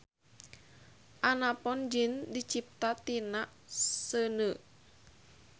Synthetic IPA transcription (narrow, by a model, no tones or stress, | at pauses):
ʔanapɔnd͡ʒindit͡ʃip̚t̪at̪inaʔsənə